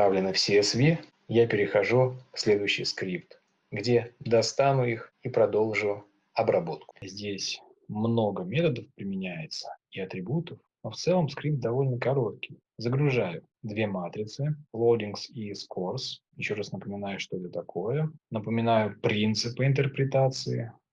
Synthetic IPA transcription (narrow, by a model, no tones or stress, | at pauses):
avlʲɪnɨfsʲesvʲi | japʲɪɾʲɪxɐʐufsʲlʲe̞d̪ʊjʏɕːɪjskɾʲipt̪ | ɡdʲed̪ɐst̪anʊixipɾɐd̪o̞lˠʐʊ | ɐbɾɐbo̞t̪kʊ̥zʲdʲesʲ | mno̞ɡəmʲe̞t̪əd̪əfpɾʲɪmʲɪnʲæjɪt̪sə̥iɐt̪ɾʲɪbut̪əfnoft̪sɛlˠəmskɾʲip̚t̪̚d̪ɐvo̞lʲnəkɐɾo̞t̪kʲɪj | zəɡɾʊʐajʊ | d̪vʲe̞mat̪ɾʲɪt̪sɨlˠowdʲinksiskorsjɪɕːo̞ɾasnəpəmʲɪnajʊʂt̪o̞ɛt̪ət̪ɐkʰojənəpəmʲɪnajʊpɾʲint̪sɨpɨɪnt̪ərpɾʲɪt̪at̪sɨɪ